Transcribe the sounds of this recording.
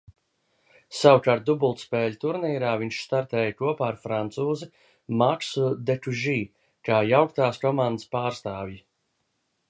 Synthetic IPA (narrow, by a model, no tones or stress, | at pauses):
sawkaːɾt̪̚d̪ubulˠt̪spɛːʎʲt̪uɾniːɾaːviɲʃst̪aɾt̪ɛːjkuɔpaːɾfɾant̪suːzɨ | maksud̪ekuʒiː | kaːjawkt̪aːskɔmãnd̪əspaːɾst̪aːvji